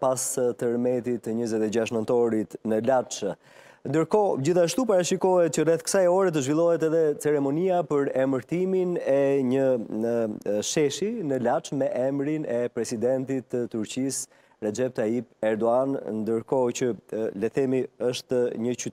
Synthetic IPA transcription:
past̪əɾmɛt̪it̪ɲəzɛt̪ɛd͡ʑaʃ̬nənt̪ɔɾit̪nəlat͡ʃ | nd̪əɾkɔd͡ʑiθaʃt̪upaɾaʃikɔɦɛt̪̚cərɛθkə̥sajɔɾɛt̪̬əʒvilˠɔɦɛt̪ɛðɛt͡sɛɾɛmɔniapəɾɛməɾt̪iminɛɲə | ʃɛʃinəlat͡ʃmɛʔɛmɾinɛpɾɛsid̪ɛnt̪it̪ːət̪ːuɾt͡ɕis | ɾɛd͡ʒɛp̚t̪aipɛɾd̪ɔannd̪əɾkɔt͡ɕəlɛθɛmiəʃt̪ɲəcy

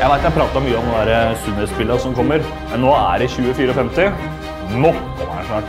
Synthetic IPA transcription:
jæɪʋæɪt̪jæɪpʰɾɑːt̪ɑɾɔmyːəɔmd̪ɛnd̪æɾəsynɛspɪlːəɾsɔmkʰɔmːəɾ | mɛnːoːæɖɛçʉːəfyːɾəɔfɛmt̪ɪ | mɔt̪ | æ̰ʂæ

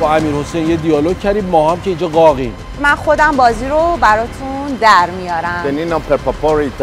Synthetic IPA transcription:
bɒæmiːɾho̞sejnjed̪ijɒːlocʰæɾiːbmɒːɦamcʲʰeiːnd͡ʒɒɡɒːɣim | mænχod̪æmbɒːziɾobæɾɒːt̪ʰund̪æɾmijɒːɾæjeninɔpʰepʰapɔɾet̪

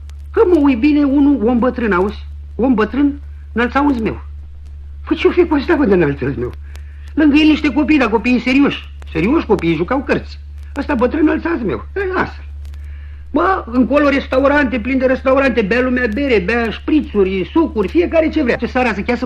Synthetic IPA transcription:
kəməujbine̞unuwombət̪ɾɨnauzʲ | wonbət̪ɾɨn | nəlt̪saunsʲme̞̰w | pət͡ʃiwfekuast̪avɨnd̪ənalt̪sɨnzmew | lɨŋɡəjeniʃt̪e̞ko̞pijd̪ako̞piiseɾioʃʲ | seɾioʃʲko̞pijʒukawkərt̪sʲ | əst̪abət̪ɾɨnnəlt̪sazmḛwəa̰st̪el | baɨŋkolo̞ɾe̞st̪auɾant̪eplind̪eɾest̪auɾant̪ebalumeabe̞ɾebaʃpɾit̪suɾʲsukurʲfije̞kaɾe̞t͡ʃe̞vɾʲat͡ʃesaɾasəkʲasə

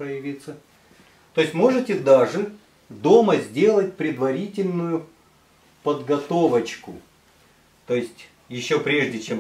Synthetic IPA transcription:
pɾəjɪvʲit̪sə | t̪o̞jɪsʲtʲmo̞ʐɨtʲɪd̪aʐɨ | d̪o̞məzʲdʲe̞lˠət̚ʲpɾʲɪd̪vɐɾʲitʲɪlʲnʊjʊ | pəd̪ɡɐt̪o̞vət͡ɕkʊ | t̪o̞jɪsʲtʲ | jɪɕːo̞pɾʲe̞ʐdʲɪt͡ɕem

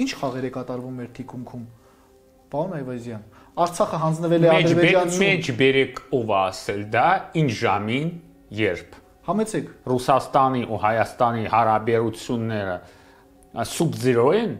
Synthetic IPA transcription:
int͡ʃʰχɑʁɛɾɛkɑt̪ɑɾvumɛɾt̪ʰikʰuŋkʰum | pɑɾɔnɑjvɑjzjɑn | ɑɾt͡sʰɑχəɦɑnd͡znəvɛlɛɑdɛɾɛɛɑmɛt͡ʃʰbɛɾɛkʰɔvɑːsɛld̪ɑint͡ʃʰʒɑmin | jɛɾpʰ | hɑmɛt͡sʰɛkʰrusɑst̪ɑniʔuhɑjɑst̪ɑnihɑɾɑbɛɾut͡sʰjunːɛɾə | subd͡zəɾɔɛn

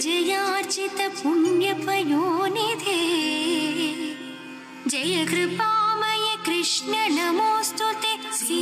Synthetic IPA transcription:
d͡ʒɐjaːɾt͡ʃit̪ɐpunjɐpɐjoːnid̪ʱe | d͡ʒɐjɐkɾɪpaːmɐjekɾɪʂnɐnɐmoːst̪ot̪esi

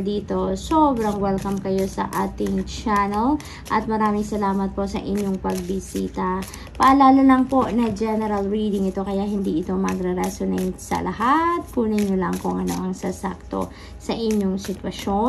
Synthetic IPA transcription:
d̪iːt̪o̞sobɾɐŋwɛlkɐmkɐjo̞sɐ̰ʔaːt̪ɪŋt͡ʃanɛl | ʔɐt̪̚mɐɾaːmɪŋsɐlaːmɐt̪̚po̞sɐ̰ʔɪɲjoŋpɐɡ̚bɪsiːt̪ɐ | pɐʔɐlaːlɐlɐŋpo̞nɐd͡ʒɛnɛɾɐlɾiːd̪ɪŋɪt̪o̞kɐjahɪnd̪iːʔɪt̪o̞mɐɡɾɛɾɛsonɛjt̪sɐ̰lɐhat̪̚kuːnɐɲolɐŋkʊŋʔɐno̰ʔɐŋsasa̰k̚t̪o̞̰ | sɐʔɪɲjoŋsɪt̪wɐʃo

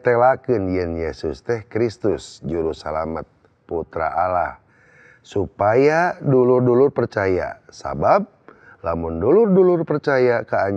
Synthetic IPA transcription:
t̪ɛlakɨnjɛnjesust̪ɛhkɾist̪usd͡ʒuɾusalamat̪̚ | put̪ɾa̰ʔala̰h | supajadulurdɔlʊrpərt͡ʃaja̰sa̰bab̚ | lamundɔlʊrdɔlʊrpərt͡ʃajakaːɲ

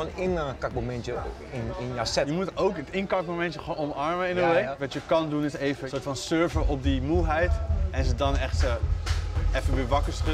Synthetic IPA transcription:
onɪnkak̚momɛntjə | ɪnjasɛjəmutowkətɪnkɑkmomɛ̃ntjəχonɔmɑɹməɪnəʋejkʋɑtjəkɑndunɪsejvəsoːɹtfɔnsøɹvəʔɔp̚dimulˠɦɛjtɛnzədɔnɛχtsə | ɛfəbiʋɑkəsrə

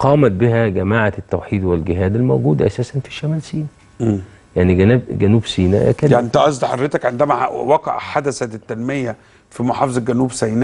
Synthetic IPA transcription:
qɑːmæt̪̚bɪɦæɡæmaːʕat̪ːæwħiːd̪welɡɪɦæːd̪elmowɡuːd̪æʔæsæːsænfi̥ʃːæmæːlsiːnæ | jaʕniɡænæːbɡænuːbsiːnæ̰kæaʔent̪æʔɑs̬ˤd̪ɑħɑd̪ɾet̪ækʕend̪æmæwɑqɑ̰ʕħad̪æsæt̪ːænmejæ | fimoħɑːfezˤɑɡænuːbsæjnæ

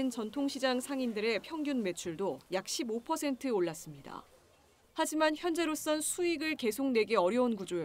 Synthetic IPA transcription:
int͡ɕʌntʰoŋɕʰid͡ʑaŋsʰaŋindɯɾe̞pʰjʌŋɡjunme̞t͡ɕʰuɭdojak̚ɕ͈ʰibopʰʌsʰe̞ntʰɯoɭːas͈ɯmɲida̰ | had͡ʑimançjʌnd͡ʑe̞ɾos͈ʌnsʰuiɡɯɭke̞sʰoŋnwe̞ɡeʌɾjʌunkud͡ʑoo

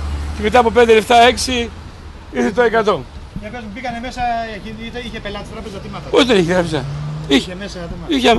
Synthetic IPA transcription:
ceme̞t̪ɐːpo̞p̬e̞nd̪e̞lept̪ɐe̞ksi | iɾθet̪oe̞kɐt̪o̞ɲɐpozmubikɐneme̞sɐiit̪eiçepelɐt̪ist̪ɾɐpezɐt̪imɐt̪ɐpozðeniçit̪ɾɐpesɐ̰içesɐiçe

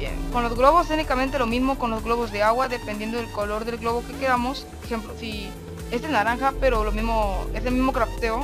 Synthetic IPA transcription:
jḛnkonlo̞zɣlo̞βos̬esunikament̪̬e̞lomizmo̞ko̞nlozɣlo̞βo̞zðe̞aɣwaðe̞pend̪je̞nd̪oðelkolo̞ɾðe̞lɣlo̞βo̞ke̞keðamo̞s | exe̞mplosi | e̞zðenaɾaŋxape̞ɾolomizmoeselmizmokɾapt̪e̞o

